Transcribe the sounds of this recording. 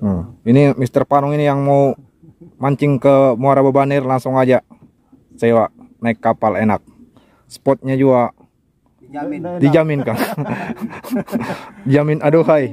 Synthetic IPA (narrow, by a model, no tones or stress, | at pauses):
inimist̪ərpanuŋinijaŋmau | maɲt͡ʃɪŋkəmoaɾababanirlaŋsuŋad͡ʒa | sewanaɪkːapalenak̚ | sə̥pɔt̪̚ɲad͡ʒua | did͡ʒamɪnkan | did͡ʒamɪnaduɦai